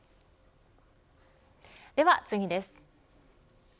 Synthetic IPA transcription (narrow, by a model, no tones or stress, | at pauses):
d̪e̞βat͡sɨɡʲid̪e̞sɨ̥